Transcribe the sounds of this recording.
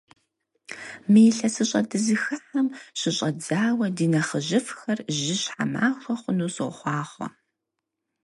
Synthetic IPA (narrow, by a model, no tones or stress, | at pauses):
miːɬɐsɨɕʼɐ̰dɨzɨxɨħɐmɕɪɕʼɐd͡zaːwɐdiːnɐχəʒɪfxɐrʒɪɕħa̰ma̰ːxʷɔχʷʊnuːsɨχʷɑːχʷɔ̰